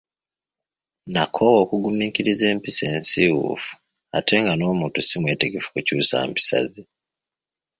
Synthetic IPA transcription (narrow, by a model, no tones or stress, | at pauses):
nakʰowo̞ːkuɡumiːkiɾize̞ːmpise̞ːnsiwṵfu̥ | atʰe̞ŋɡano̞ːmuːntusimwe̞ːte̞ɡe̞fu̥kucuːsa̰ːmpi̥sa̰zi